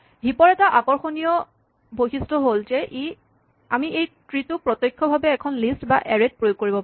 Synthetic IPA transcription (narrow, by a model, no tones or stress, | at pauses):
ɦipɔɹɛtaʔakɔɹxonijɔ | bojxistɔɦolzɛʔi | amiʔejtɹitʊpɹɔtɔjkʰːɔbʱabɛːkʰɔnlistba̰ʔɛɹet̚pɹojoɡ̚kːoɹibɔp